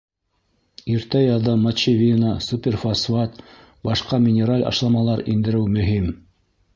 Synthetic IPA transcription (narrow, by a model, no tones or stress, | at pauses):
iɾt̪æjɑðɤmɐt͡ɕivʲinəsupʲerfasvat̪ | bɑʃqɑmʲɪnʲeɾalʲɑ̰ʃlˠɑmɑlˠɑɾind̪ɘ̆ɾɘwmɵ̆ɦim